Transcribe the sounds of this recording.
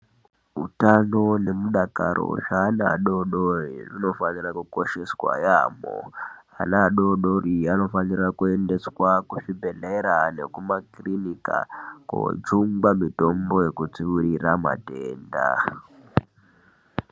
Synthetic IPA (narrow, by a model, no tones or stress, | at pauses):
ɦṵtano̞ne̞muɗakaɾo̞̰ʐanaɗo̞ɗoririno̞fanirakuko̞ʃe̞swa̰jaːmo̰anaɗoɗoriano̞fanirakue̞nde̞swakuʂibʱe̞leɾane̞̰kumakrinika̰ko̰d͡zuŋɡwamito̞mbo̞je̞kut͡siʋurirama̰teːnda̰